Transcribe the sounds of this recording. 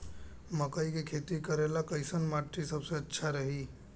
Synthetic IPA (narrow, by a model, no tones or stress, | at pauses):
məkəikekʰet̪ikəɾelakəɪsənmaʈɾisəbsẽətːʃʰaɾəɦi